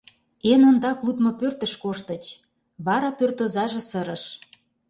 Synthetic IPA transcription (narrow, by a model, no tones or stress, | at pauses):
enond̪ɑklˠut̪mopørt̪əʃkoʃt̪ə̆t͡ɕ | βɑɾɑpørt̪ozɑʒĕsəɾə̆ʃ